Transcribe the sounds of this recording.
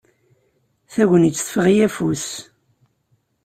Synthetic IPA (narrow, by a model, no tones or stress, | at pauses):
θæʝənit͡sːθə̥fəʁijæfus